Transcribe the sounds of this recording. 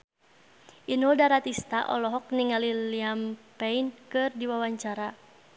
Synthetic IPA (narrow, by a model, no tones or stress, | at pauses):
ʔinɔdaɾat̪ist̪aʔɔ̰lɔɦɔk̚niŋaliliampɛinkɨrdiwawaɲt͡ʃaɾa